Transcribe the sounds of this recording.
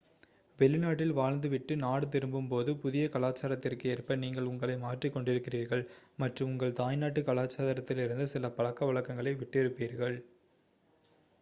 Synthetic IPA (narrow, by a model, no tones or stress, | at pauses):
ʋɛlɪnaːʈːɪlʋaːɻnd̪ɯʋɪʈːɯnaːɽɯt̪̬ɪɾɯmbɯmpoːðɯpʊðɪjɐkɐɭaːt͡ʃːaːɾɐt̪ːɪrkɯɛrpɐniːŋɡɐɭʊŋɡɐɭɐɪmaːʈrikːɔɳɖɪɾɯkːɪriːɾɣɐɭmɐʈrɯmʊŋɡɐɭt̪aːjnaːʈːɯkɐɭaːt͡ʃːaːðɐɾɐt̪ːɪlɪɾɯnd̪ɯsɪlɐpɐɭɐkːɐʋɐɭɐkːɐŋɡɐɭɐɪʋɪʈːɛɾɯpːiːɾɣɐɭ